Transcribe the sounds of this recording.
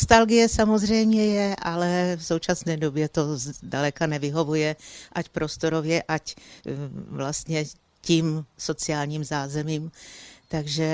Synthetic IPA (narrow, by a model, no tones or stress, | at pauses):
nost̪alɡɪjɛsamo̞zr̝ɛjmɲɛjɛʔalɛfso̞wt͡ʃasnɛːdobjɛt̪o̞zdalɛkanɛvɪɦo̞vujɛʔacpɾo̞st̪o̞ɾovjɛʔac | vlast̪ɲɛ | ciːmso̞t͡sɪaːlɲiːmzaːzɛmiːmt̪aɡʒɛ